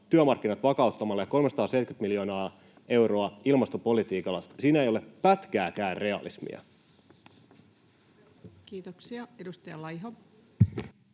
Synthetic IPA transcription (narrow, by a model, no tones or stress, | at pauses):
t̪yømɑrk̟ːinɑt̪ʋɑkɑuwt̪ːɑmɑlːɑjɑko̞lmesɑ̥t̪ɑːsejt̪kyt̪miljo̞ːnɑː | e̞wɾo̞ɑilmɑst̪opo̞lit̪iːkɑlːɑssiːnæejo̞leppæt̪kæːkæːnre̞ɑ̰lismḭɑ̰ | kiːt̪oksiɑedust̪ɑjɑlɑjɦo